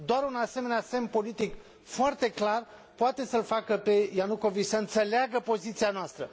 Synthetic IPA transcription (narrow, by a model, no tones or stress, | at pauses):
d̪oaɾunase̞me̞nease̞mpo̞lit̪ik | foart̪e̞klar | poat̪e̞səlfakəpe̞januko̞vit͡ʃʲsəɨnt̪se̞leaɡəpo̞zit̪sianoast̪ɾə